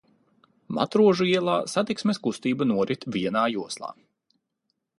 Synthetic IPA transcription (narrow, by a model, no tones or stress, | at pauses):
ma̰t̪ɾuɔʒuiɛlˠaːsat̪iksmʲeskust̪iːbanuɔɾʔit̪viɛnaːjuɔslˠa̰ː